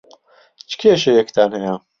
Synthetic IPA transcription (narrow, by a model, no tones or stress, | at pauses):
t͡ʃʰkʲʰeʃɐjɛkt̪aːnɐja